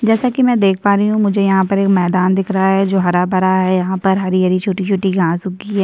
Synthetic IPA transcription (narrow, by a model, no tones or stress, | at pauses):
d͡ʒɛːsakimɛ̃ːd̪eːk̚ʰpaːɾiɦũmʊd͡ʒʱejɐɦãpɐɾeːkmɛːd̪aːnd̪ɪkʰɾɐɦaɦɛd͡ʒoːɦɐɾabɐɾaɦɛjɐɦãpɐɾɦɐɾiɐɾit͡ʃʰoːʈit͡ʃʰoːʈiɡʱãːsʊɡiɦɛː